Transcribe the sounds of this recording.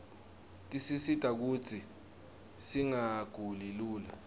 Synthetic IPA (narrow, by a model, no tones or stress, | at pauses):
tʼisisitʼak̬uːt͡sʰi | siŋaɡ̥ʱuliluːla